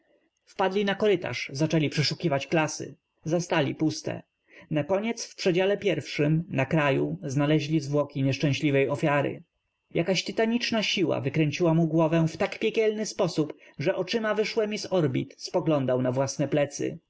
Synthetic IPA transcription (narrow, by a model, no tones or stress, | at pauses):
fpad̪lʲinakɔɾɘt̪a̰ʂzat͡ʂɛlʲipʂɛʂukʲivat͡ɕklasɘ̰ | zast̪alʲipust̪ɛ̰ | nakɔɲɛt̪sfpʂɛd͡ʑalɛpʲjɛɾfʂɘmnakɾajuznalɛʑlʲizvwɔkʲiɲɛʂt͡ʂɛ̃ɕlʲivɛjɔfʲjaɾɘ̰ | jakaɕt̪ɘt̪aɲit͡ʂnaɕiwa̰vɘkɾɛɲt͡ɕiwamuɡwɔvɛ̃ft̪akpʲjɛkʲɛlnɘspɔsupʐɛʔɔt͡ʂɘmavɘʂwɛmʲizɔɾbʲit̪spɔɡlɔnd̪awnavwasnɛplɛt̪sɘ̰